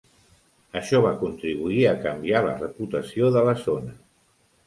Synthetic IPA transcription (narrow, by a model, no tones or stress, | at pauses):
əʃɔβ̞akunt̪ɾiβ̞uiəkəmbialə̰rəput̪əsioðələzonə